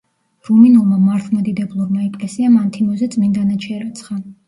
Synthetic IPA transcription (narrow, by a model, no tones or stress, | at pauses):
ɾuminulˠmamaɾt̪ʰmad̪id̪ɛblˠuɾmaɛkʼlɛsiamant̪ʰimɔzɛt̪sʼmind̪anat͡ʃʰɛɾat̪sʰχa